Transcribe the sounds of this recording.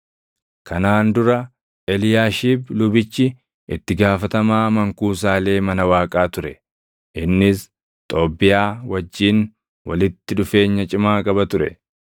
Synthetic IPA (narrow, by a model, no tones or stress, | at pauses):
kʰɐnaːnd̪ʊɾɐ | ʔɛlɪjaːʃiːblʊbɪt͡ʃːɪ | ɪt̪ːɪɡaːfɐt̪ɐmaːmɐŋkuːs̬aːle̞ːmɐnɐwaːkʼaːt̪ʊɾɛ | ʔɪnːɪs | t̪ʼo̞ːbːɪjaːwɐd͡ʒːiːn | wɐlɪt̪ːɪᶑʊfe̞ːɲːɐt͡ʃʼɪmaːkʼɐbɐt̪ʊɾɛ